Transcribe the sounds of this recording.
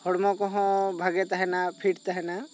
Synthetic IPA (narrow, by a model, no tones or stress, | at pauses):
hɔɽmɔ̃kɔɦɔ̃bʱɐɡet̪aɦɛnapʰiʈt̪aɦɛna